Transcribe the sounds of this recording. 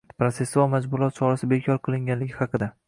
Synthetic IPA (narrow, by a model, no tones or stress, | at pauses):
pɾot̪se̞sːualˠmad͡ʒbʊlˠɒt̪̚t͡ʃʰɒɾasɪbekʲʰɒɾqʰɨlˠɪŋɡʲanlɪɡʲɪhɑqɨd̪a